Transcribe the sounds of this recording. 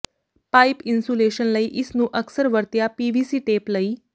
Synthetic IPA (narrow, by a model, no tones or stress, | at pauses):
paipinsuleɕənləiʔisnũːʔəksəɾʋəɾt̪japiʋisiːʈepləiː